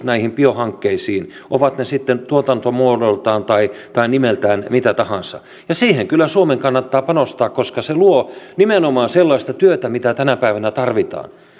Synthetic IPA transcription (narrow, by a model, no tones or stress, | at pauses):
næihimpiohɑŋkːeisiːn | ʔoʋɑt̪nesit̪ːent̪uot̪ɑnt̪omuodolt̪ɑːnt̪ɑit̪ɑinimelt̪æːnmit̪æt̪ɑhɑnsɑ̰ | jɑsiːheŋkylːˑæsuomeŋkɑnːɑt̪ːɑːpɑnost̪ɑːkkoskɑseluonimenomɑːnselːɑist̪ɑt̪yøt̪æmit̪æt̪ænæpæiʋænæt̪ɑrʋit̪ɑ̰ːn